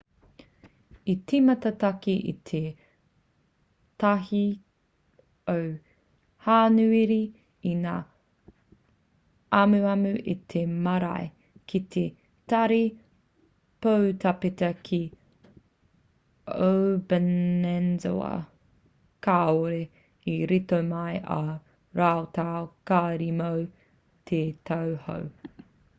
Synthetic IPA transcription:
itimɐtɐtɐkiʔḭt̪ʰe | tɐhi | ow | haːnʉiɾi | inaː | ɐmuɐmʉʔit̪ʰemɐɾɐ̰j | kʰit̪ʰe | tɐɾi | powtʰɐpetɐkʰi | obənɛnzo̰ɐ̰ | kaoɾe | iɾit̪omɐjɐ̰ | ɾaːotaokaːɾimow | t̪ʰetʰɐwho̰w

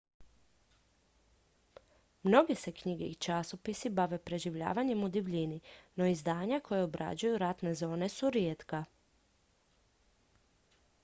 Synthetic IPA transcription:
mno̞ɡe̞se̞kɲiɡḛit͡ʃaso̞pisibaʋe̞pɾe̞ʒiʋʎa̰ːʋaɲe̞mud̪iʋʎinino̞izd̪aːɲako̞jeobɾa̰d͡ʑujuɾat̪ne̞zo̞ːne̞suɾjeːt̪ka

